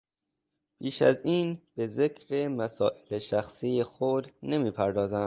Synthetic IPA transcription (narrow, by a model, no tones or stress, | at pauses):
b̥ʰiːʃæ̰ziːnb̥e̞ze̞kʰɾemæsɒːʔe̥leʃæxsiːjexod̪ne̞miːpʰæɾd̪ɒːzæm